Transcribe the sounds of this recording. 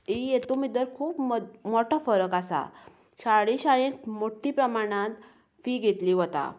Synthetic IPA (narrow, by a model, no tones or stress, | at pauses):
ijet̪umid̪əɾkʰuːpmoʈʰɔfəɾəkasa̰ | ɕaɽĩɕaɭẽmoʈʰiːpɾəmaɽ̃ãt̪ | fiːɡʱet̪liːɦot̪a̰